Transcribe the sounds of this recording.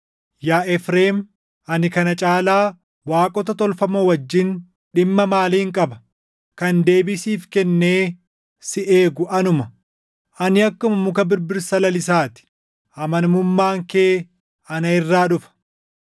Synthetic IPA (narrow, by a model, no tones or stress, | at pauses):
jaːʔɛfɾeːm | ɐnɪkɐnɐt͡ʃʼaːlaː | waːkʼɔt̪ɐt̪ɔlfɐmowɐd͡ʒːɪn | ɗɪmːɐmaːliːɪŋkʼɐbɐ | kɐnd̪e̞ːbɪsiːfkɛnːe̞ː | sɪʔe̞ːɡʊʔɐnʊmɐ | ʔɐnɪɐkːʊmɐmʊkɐbɪɾbɪɾsɐlɐlɪs̬aːt̪ɪ̥ | ɐmɐnmʊmːaːŋkeː | ɐnɐɪrːaːᶑʊfɐ̥